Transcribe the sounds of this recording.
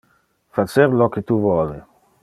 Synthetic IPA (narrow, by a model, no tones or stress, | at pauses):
fat͡ʃeɾloket̪uvwɔli